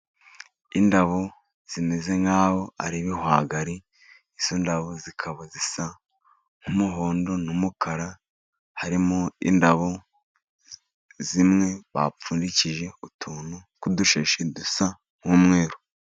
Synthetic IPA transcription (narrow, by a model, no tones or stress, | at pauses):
indaβo | z̥imeze̞ŋaːwo̞a̰ɾiβihwa̰ɡaɾi | iz̥ondaβozikʰaβazisa | ŋ̥humuɦo̞ːndo̞numukʰaɾa | haɾimoḭndaβo̞ | zimŋe̞βa̰p͡fuːndiciʒe̞utʰuːnukuduʃeʃedusa | ŋ̥huːmŋe̞ːɾo